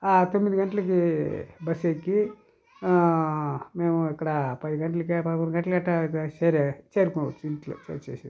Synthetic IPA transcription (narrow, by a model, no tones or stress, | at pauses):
at̪omːid̪iɡɐɳʈɐlɐkibɐsekːi | meːmuikːɐɽɐpɐd̪iɡɐɳʈɐlɐkipɐkunɡɐɳʈɐlɐkɐʈːɐt͡ʃeːɾet͡ʃeːɾukoːʋɐt͡ʃːuiɳʈlɐ̰t͡ʃḛt͡ʃːḛːsi